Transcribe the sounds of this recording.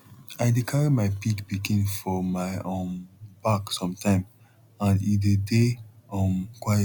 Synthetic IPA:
aɪdikʰaɹimaɪpikbikĩnfɔmaɪõmb̥aksɔ̃mtãɪ̃m | ãnidədeɔ̃mkwa

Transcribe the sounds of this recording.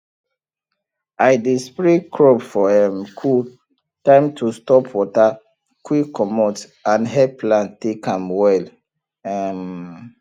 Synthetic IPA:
ajdespɹekʰɹobfɔɛmkʰu | tãɪ̃mtʰustɔpʰwɔta | kwikʰːɔmɔt | ãnɦɛplãntekãmwɛl | ɛm

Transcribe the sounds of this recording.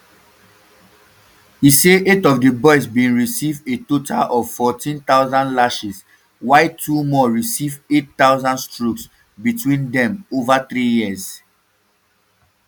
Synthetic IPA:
iseʔetɔvdəbɔɪsbĩnɹisivetotʰa̰lʔɔvfɔtĩnt̪aʊzãndlaʃis | waɪtʰumɔɹisivetːaʊzãndstɹuks | bitʰwĩndɛ̃movaθɹijiəz

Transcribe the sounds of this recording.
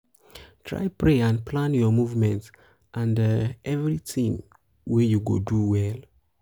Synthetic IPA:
tʰɹa̰jpɹeãndplãnjɔmuvmɛ̃nt | ʔãndɛvɹitʰĩm | wɛjuɡo̰duwɛl

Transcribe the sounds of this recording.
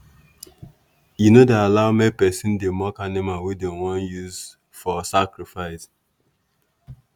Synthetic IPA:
junodealaʊmɛ̃pɛsĩndemɔkanimawidẽwɔ̃njuz | fɔsakɹifaɪs

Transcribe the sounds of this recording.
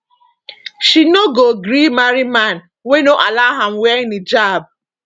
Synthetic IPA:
ʃinoɡoɡɾimaɾiman̩ | wenoʔalaɦam̩wɛnid͡ʒab̚

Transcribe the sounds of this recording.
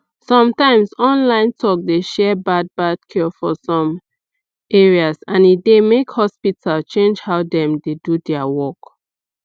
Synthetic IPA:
sɔ̃mtãɪ̃msɔ̃nlãɪ̃ntʰɔk̚deʃɛbad̚bad̥̚kʰifɔsɔ̃m | eɹiasãnidemekhɔspitʰalt͡ʃẽnd͡ʒhaʊdɛ̃mdedudɛawɔk

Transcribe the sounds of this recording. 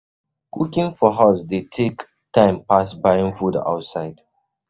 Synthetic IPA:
kukĩŋfɔɦaʊsdetʰek | tʰãɪ̃mpasbaɪĩŋfuda̰ʊtsaɪd̥

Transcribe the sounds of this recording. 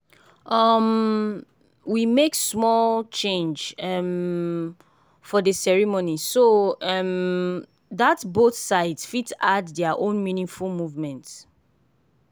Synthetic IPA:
ʌm | wimeksmɔlt͡ʃẽnd͡ʒʌm | fɔdəsɛɹimonisoʌm | ðatboθsaɪdsfitadðɛəʔõnminĩŋfulmuvmɛ̃nt

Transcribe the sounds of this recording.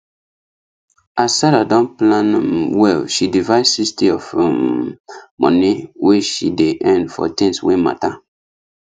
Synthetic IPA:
asaɾadɔ̃nplãnwɛlʃidivaɪdsistiɔf | mɔ̰̃niweʃideʔɛ̃ndfɔ̰tĩŋswema̰ta

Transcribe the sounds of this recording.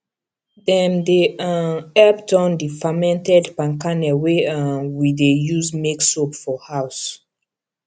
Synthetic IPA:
dɛ̃mdeaɛptɔ̃ndifamɛ̃ntɛdpãŋkanɛweãnwidejuzmeksopfɔhaws

